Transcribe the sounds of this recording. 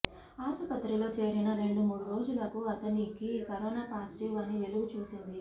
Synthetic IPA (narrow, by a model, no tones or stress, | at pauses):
aːsupɐt̪ɾilo̞ːt͡ʃe̞ːɾinɐɾe̞ɳɖumuːɽuɾo̞ːd͡ʒulɐkuɐt̪ɐnikiːkɐɾoːnaːpaːsi̥ʈiʋɐnːiʋe̞luɡut͡ʃuːsind̪i